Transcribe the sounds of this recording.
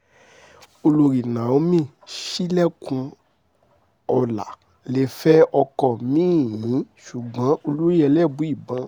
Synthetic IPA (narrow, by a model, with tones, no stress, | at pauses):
o˧lo˧ɾi˨nã˨o˨˧˦mĩ˦˨ | ʃi˦lɛ˦kũ˧ | ɔ˧la̰˨ | le˦˨fɛ˦ɔ˧kɔ˧˨mĩː˦˨jĩ˨˦ʃu˨ɡ͡bã˨˦o˧lu˦ɾi˦ɛ˧lɛ˦˨bũ˨˦i˦˨bã˨˧˦